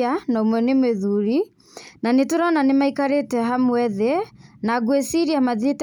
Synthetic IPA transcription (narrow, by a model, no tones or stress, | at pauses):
anaumwɛnimeðuɾi | nanituɾananimaikaɾetɛɦamuɛðɛnaɡwɛsiɾiamaðit